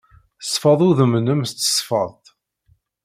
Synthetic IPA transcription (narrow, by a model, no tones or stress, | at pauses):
əsˤfɑðˤʊðəmnəmst͡s̪ːə̥sˤfɑ̰ðˤt̪